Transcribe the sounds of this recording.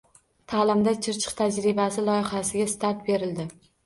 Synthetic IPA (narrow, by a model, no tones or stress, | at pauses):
t̪ʰaːlɪmd̪at͡ʃʰɪɾt͡ʃʰɨ̥qt̪ʰad͡ʒɾɪbasɪlˠɒjɪχasɪɡʲast̪aɾt̪̚be̞ɾɪld̪ɪ